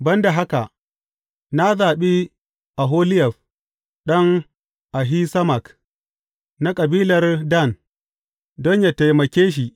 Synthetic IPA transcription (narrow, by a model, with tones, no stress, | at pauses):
bɐ˦nda˨ɦa˦ka˨ʔ | na˦zaː˨ɓi˦ | ʔa˨ɦoː˦lɪ˦jɛ˨ɸ | ɗɔ˦ŋ | ʔa˨ɦi˦sɐ˦ma˨k | na˦kʼɐ˨biː˦lɐ˨rda˦˨n | dɔ˦ɲja˨ta˨jmɐ˨kʲeː˦ʃ̬i˨